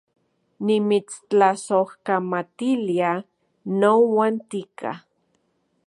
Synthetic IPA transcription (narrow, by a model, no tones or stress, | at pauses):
nimit͡st͡ɬasohkamat̪ilia | nowant̪ikʰa̰